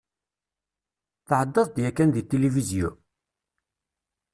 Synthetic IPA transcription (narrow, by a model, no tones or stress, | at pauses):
θəħəd̪ˤːɑsˤd̪jækːænðit̪ːelivizju